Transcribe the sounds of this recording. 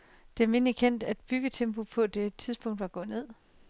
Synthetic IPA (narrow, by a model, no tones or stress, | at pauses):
d̥emenlikʰen̰d̥æd̥̚b̥yɡ̥ət͡sʰempʰo̝pʰɒ̽d̥e̝t͡sʰiðˠsb̥ɔ̽ŋ̰d̥ʋɑ̈ɡ̥ɔ̽ð̩ˠne̝ð̰ˠ